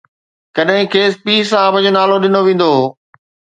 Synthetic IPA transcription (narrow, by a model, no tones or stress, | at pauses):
kɐɗɦɪ̃kʰeːspiːsãːbə̃d͡ʑonaːloɗɪnoʋẽːn̆d̪o